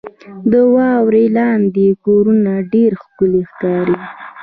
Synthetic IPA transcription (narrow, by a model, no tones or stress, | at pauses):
d̪əwɑwɾelɑnd̪ekoɾunaɖeɾxkʊlexkɑɾi